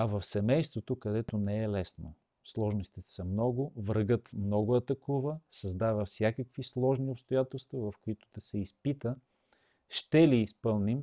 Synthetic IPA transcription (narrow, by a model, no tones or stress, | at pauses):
ɐvɐfsɛmɛjst̪vot̪okɐd̪ɛt̪onɛɛlɛsno̰ | slˠɔʒnost̪it̪ɛ̥sɐmnɔɡʊvɾɐɡɤt̪mnɔɡʊɐt̪ɐkuvəsɐzd̪avɐfsʲjakəkvislˠɔʒniopst̪ojat̪ɛlˠst̪vəvɐfkoit̪ʊ̥d̪̥ɐsɛispit̪ə | ʃt̪ɛliːspɤlˠnim